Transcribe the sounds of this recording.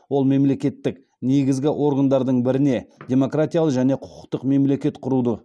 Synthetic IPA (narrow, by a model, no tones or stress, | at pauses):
wo̞lˠme̞mle̞kʲe̞t̪ːɪk | neɡʲɪzɡʲɪʔo̞ɾɡand̪ɑɾd̪əɴbɪɾɪne̞dʲe̞mo̞krat̪ʲijalˠəqʒæne̞qʰʊ̥qʊ̥qt̪əqme̞mle̞kʲe̞t̪qʰʊɾud̪ə